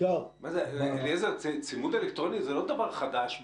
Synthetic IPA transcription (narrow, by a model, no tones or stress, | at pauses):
omazelelezet͡sit͡simud̪elekt̪ʁonizelo̞d̪avaʁχad̪aʃ